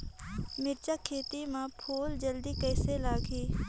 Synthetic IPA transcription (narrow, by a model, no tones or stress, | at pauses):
mɪɾt͡ʃakʰːeːt̪imãpʰuːld͡ʒəld̪iːkəːselaːɡiː